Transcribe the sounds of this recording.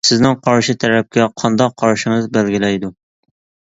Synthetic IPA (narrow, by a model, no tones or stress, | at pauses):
sɪznɪŋqʰɑɾʃɪt̪ʰæɾɛp̚kʲʰɛqʰɑnd̪ɑqʰːɑɾʃɪŋɨzbælɡʲɪlɛjd̪u